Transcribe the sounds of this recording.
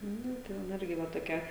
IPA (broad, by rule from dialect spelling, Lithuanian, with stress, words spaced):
ˈnʊ ˈtʲɛn ˈɪrʲɡʲɪ ˈʋɐ toːˈkʲɛ